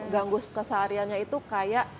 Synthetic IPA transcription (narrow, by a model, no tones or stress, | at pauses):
ɡaŋɡʊskəsaɾianɲait̪ukajaʔ